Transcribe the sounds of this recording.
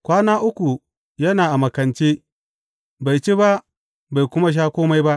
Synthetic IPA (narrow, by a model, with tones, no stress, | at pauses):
kʷaː˦naː˦ʔʊ˦kʷu˨ | jɐ˦naː˨ʔa˨mɐ˨kɐ˨nt͡ʃeː˦ | ba˨jt͡ʃe˦ba˦ʔ | ba˨jkʷʊ˦ma˦ʃ̬aː˦kʷoː˦ma˦jba˦ʔ